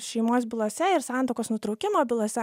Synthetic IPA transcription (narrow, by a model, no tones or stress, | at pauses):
ʃʲɛɪmoːsbʲɪlˠoːsʲɛɪɾsɑˑnt̪oʊkoːsnʊt̪ɾɒʊkʲɪmoːbʲɪlˠoːsʲɛ